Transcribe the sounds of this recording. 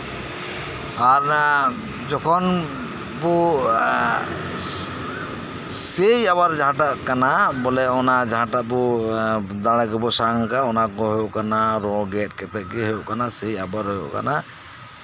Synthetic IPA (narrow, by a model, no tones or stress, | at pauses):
aɾ | d͡ʒɔkʰɔn | bɔ | sejaβaɾd͡ʒaãʈaʔkanabɔlɛɔnad͡ʒaɦãʈaʔbɔ | d̪aɽ̃akɛbɔsaŋkaɔnakɔɦɔjɔʔkanaɾɔɡɛt̚kɛt̪ɛʔkɛɦɔjɔʔkanasejabaɾɦɔjɔ̰ʔka̰na